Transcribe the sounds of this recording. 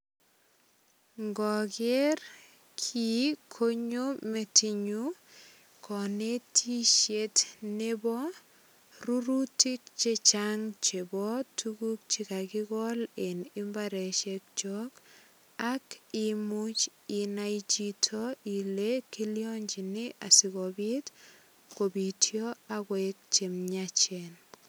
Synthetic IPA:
ŋɡɔker | kʰikʰoɲometiɲu | kʰɔnetʰiʃjetnebɔ | ruɾutik̚t͡ʃet͡ʃaŋt͡ʃebɔtʰukuk̚t͡ʃikakɪɡɔlenimbaɾɛʃɛk̚t͡ʃɔk | akimut͡ʃinait͡ʃitʰɔilekiljɔɲd͡ʒinɪʔasikɔbit | kobitʰjɔakwɛk̚t͡ʃemɲat͡ʃɛn

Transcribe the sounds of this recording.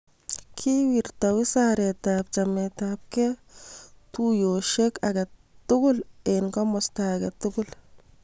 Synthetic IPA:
kʰiwiɾtawisaɾetap̚t͡ʃametap̚ke | tujoʃekaɡatʊɡʊlenkɔmɔstaɡɐtʊɡul

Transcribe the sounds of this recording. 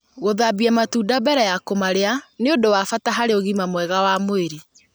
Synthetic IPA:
ɣoðabiamatuːdabɛɾɛjakomaɾeaneodowafataɦaɾeoɣimamwɛɣawamoeɾi

